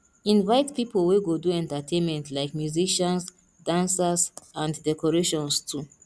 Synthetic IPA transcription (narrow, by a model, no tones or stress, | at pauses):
ĩnvaɪtpipolweɡoduɛ̃ntatʰẽnmɛ̃ntʰlaɪkmjuziʃɔ̃ns | dãnsasãnddɛkɔɹeʃɔ̃nstʰu